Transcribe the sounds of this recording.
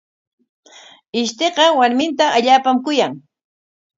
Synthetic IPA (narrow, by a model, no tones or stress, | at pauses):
ɪʃt̪eɢɑwaɾmɪnt̪aʔaʎaːpamkʊjaŋ